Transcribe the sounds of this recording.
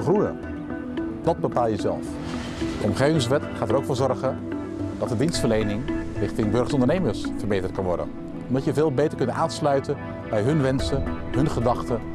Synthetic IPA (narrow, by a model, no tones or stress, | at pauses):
χrujə̰ | d̥ɑd̚bəpaːlˠjəzɛ̰lˠf | dəɔmχejvɪŋsʋɛtχaːtəɾowkfʊːɹzɔɹχə | d̥ɑtdədinstfəɹlejnɪŋrɪχtɪŋbɵɹχəsɔndəɹnejməɹsfərbejtərt̚kɑnʋɔ̰ɹdə̰n | ɔmdɑtjəvɪːlˠbejtəɹkɵntaːnslœɥtən | bɛjɦɵnʋɛnsəɦɵnχədɑχtə